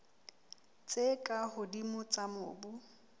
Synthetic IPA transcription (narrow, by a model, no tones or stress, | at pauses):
t͡sʼekʼahʊdimʊt͡sʼamʊ̰ːbʊ